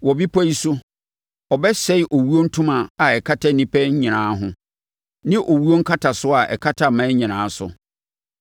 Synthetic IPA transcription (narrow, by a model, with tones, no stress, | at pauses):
wɔ˨bi˦pʰɔ˦i˦sʊ˦ | ɔ˨bɛ˦sɛ˦ɪ˦ʔo˨wu˦o˦n̩˦tʰʊ̃˦mã˨a˨ɛ˨kʰa˦tʰa˦nĩ˦pʰɛ˦ɲ̩˦ɲĩ˨nãː˨˦ɦʊ̃˦ | nɪ̃˦ʔo˨wu˦o˦ŋ̩˦kʰa˦tʰa˨sʊ˦a˨ʔɛ̰˨kʰa˦tʰa˨mã˦ɲĩ˨nãː˨˦sʊ̰˨